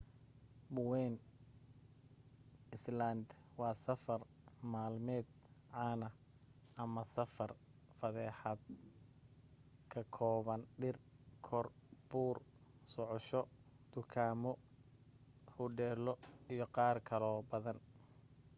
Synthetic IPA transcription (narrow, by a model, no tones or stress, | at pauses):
bʊwɛn | ɪslɐnd̪wɑːsɐfɐr | maːlmɛːd̪ʕɑːnɐ | ʔɐmɐsɐfɐrfɐðɛːħad̪̚ | kʰɐkʰɔːβɐnɖɪrkʰɔrb̥uːrsɔʕɔʃɔd̪̥ʊkʰaːmɔ | hʊɖɛːlɔijɔqɑːrkʰɐlɔːbɐðɐn